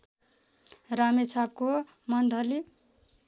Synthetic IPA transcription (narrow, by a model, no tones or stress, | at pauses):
ramet͡sʰap̚ko | mʌnd̪ʱʌli